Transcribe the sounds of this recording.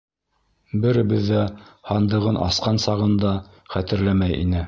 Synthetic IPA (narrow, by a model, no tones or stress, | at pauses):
bɘ̆ɾɘ̆βɘ̆ðːæhɑnd̪ɤ̆ʁɤnʔɑ̰sqɑnsɑʁɤ̆nd̪ɑ | χæt̪ɘ̆ɾlæmæjḭnɘ